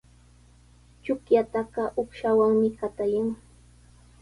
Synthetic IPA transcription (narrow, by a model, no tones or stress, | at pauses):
t͡ʃʊkjat̪ɑɢɑʔʊkʃawaŋmɪkat̪ajaŋ